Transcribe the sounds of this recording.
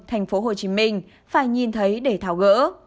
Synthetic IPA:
t̪ʰɛ˨˩jŋ̟fo˨˦ɦo˨˩t͡ɕi˨˦mï˧ŋ̟ | faː˧˩jɲi˨˩nt̪ʰə˨˦jɗe˧˩t̪ʰaː˧˩wɣə̰ː˧˥

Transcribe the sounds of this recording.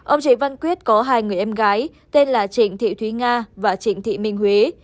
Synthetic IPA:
ʔə˧wŋ͡mt͡ɕḭ˧˩va˧nkwi˦˥ət̚kɔ˨˦ɦaː˧jŋɨ˨˩əjʔɛ˧mɣaː˨˦j | t̪e˧nlaː˨˩t͡ɕï˧˩ŋ̟t̪ʰḭ˧˨t̪ʰwi˨˦ŋaː˧vaː˨˩t͡ɕï˧˩ŋ̟t̪ʰḭ˧˨mï˧˩ŋ̟hwe˨˦

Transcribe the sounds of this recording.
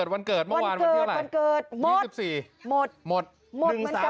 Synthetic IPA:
əː˨˩t̪̚wa˧nkɤː˨˩t̪̚m˥˧a˧˩waː˧n˧ɤː˧˨˩ɾa˨a˩˧nkɤː˨˩t̪̚mo˥˨˥si˨˩p̚siː˨˩ | mo˨˩t̪̚mo˨˩t̪̚ | mo˨˩ŋ˧˦a˩˦˧

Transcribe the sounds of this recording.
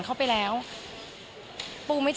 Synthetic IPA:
ŋkʰa˥˩wpa˧jlɛː˦˥w | puː˧ma˥˩t͡ɕ

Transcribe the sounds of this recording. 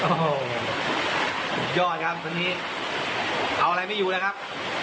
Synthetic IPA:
ʔoː˧˩ | tʰu˨˩p̚jɔː˥˩t̪̚kʰa˦˥p̚wa˧nːiː˦˥ | ʔa˧wʔa˧ɾa˧jma˥˩juː˧na˦˥kʰa˦˥p̚

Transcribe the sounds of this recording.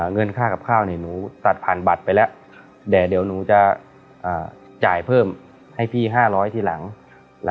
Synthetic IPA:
ŋɤ˧nkʰaː˥˩ka˨˩p̚kʰaː˥˩wni˧˩nuː˩˦t̪a˨˩t̪̚pʰaː˨˩nba˨˩t̪̚pa˧jlɛ˦˥ʔ | dɛː˨˩de˩˦wnuː˩˦t͡ɕa˧˩ | ʔaː˨˩ | t͡ɕaː˨˩jpʰɤː˥˩m | ha˥˩jpʰiː˥˩ɦaː˥˩lɔː˦˥jt̪ʰiː˧˩la˩˦ŋ | l

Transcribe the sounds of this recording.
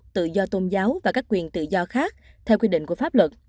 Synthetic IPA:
t̪ɨ̰˧˨zɔ˧t̪o˧nzaː˨˦wvaː˨˩kaː˦˥kːwi˨˩ənt̪ɨ̰˧˨zɔ˧xaː˦˥k̚ | t̪ʰɛ˧wkwi˧ɗḭ˧˨ŋ̟ku˧˩əfaː˦˥p̚lwə˨˩t̚

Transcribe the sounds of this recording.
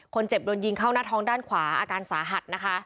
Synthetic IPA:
kʰo˧nt͡ɕe˨˩p̚do˧nji˧ŋkʰaː˥˩wnaː˥˩t̪ʰɔː˧˥ŋdaː˥˩nkʰwaː˨˩˦ʔaː˧kaː˧nsaː˩˦ɦa˨˩t̪̚na˦˥kʰa˦˥

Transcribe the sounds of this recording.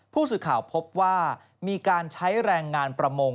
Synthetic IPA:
pʰuː˥˩sɯː˨˩kʰaː˨˩wpʰo˦˥p̚waː˥˩ | miː˧kaː˧nt͡ɕʰa˦˥jɾɛː˧ŋːaː˧npɾa˧mo˧ŋ

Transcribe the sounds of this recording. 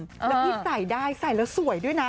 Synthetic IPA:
ʔlːɛ˦˧˥iː˥˩sa˨˩jdaː˥˩jsa˨˩jlɛː˨˦˥wsu˨˩˦əjdu˥˩əjna˦˥

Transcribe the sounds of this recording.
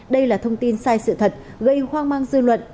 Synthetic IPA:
ɗə˧jlaː˨˩t̪ʰə˧wŋ͡mt̪i˧nsaː˧jsɨ̰˧˨t̪ʰə˨˩t̚ | ɣə˧jxwaː˧ŋmaː˧ŋzɨ˧lwə̰˧˨n

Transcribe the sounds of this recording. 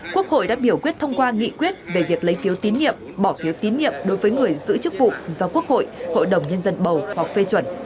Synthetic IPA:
ku˦˥ək̚ho̰˧˨jɗa̰ː˧˥ɓi˧˩əwkwi˦˥ət̚t̪ʰə˧wŋ͡mkwaː˧ŋḭ˧˨kwi˦˥ət̚ve˨˩vi˨˩ək̚lə˨˦jfi˨˦wt̪i˨˦nɲḭ˧˨əm | ɓɔ˧˩fi˨˦əwt̪i˨˦nɲḭ˧˨əmɗo˨˦jvəː˨˦jŋɨ˨˩əjzɨ̰˧˥t͡ɕɨ˦˥k̚vṵ˧˨zɔ˧ku˦˥ək̚ho̰˧˨jho̰˧˨jɗə˨˩wŋ͡mɲə˧nzə˧nɓə˨˩whwa˨˩k̚fe˧t͡ɕwə˧˩n

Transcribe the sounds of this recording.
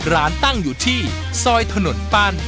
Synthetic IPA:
ɾaː˩˦nt̪a˥˩ŋjuː˨˩t̪ʰiː˥˩ | sɔː˧jt̪ʰa˧no˩˦npaː˥˩n

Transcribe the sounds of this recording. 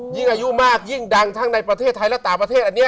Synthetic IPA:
ji˥˩ŋʔaː˧ju˦˥maː˥˩k̚ji˥˩ŋda˧ŋt̪ʰaː˦˥˩ŋna˧jpɾa˧t̪ʰeː˥˩t̪ʰːa˧jlɛ˦˥˩t̪aː˨˩ŋpɾa˧e˥˩t̪̚ʔa˨˩nːi˦˥ɐ˨

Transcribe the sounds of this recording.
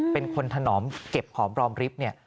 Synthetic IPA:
pe˧nkʰo˧nt̪ʰa˧nɔː˩˦mke˨˩p̚kʰɔː˩˦mɾɔː˧mɾi˦˥p̚ni˥˩ɐ

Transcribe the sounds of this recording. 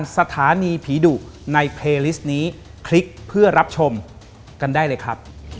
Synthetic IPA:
nsa˧t̪ʰaː˩˦niː˧pʰiː˩˦duː˨˩kna˧jpʰleː˧li˦˥s̚niː˦˥ | kʰli˦˥k̚pʰɯ˥˩ɐɾa˦˥p̚t͡ɕʰo˧m | ka˧ndaː˥˩jlɤː˧jkʰɾa˦˥p̚

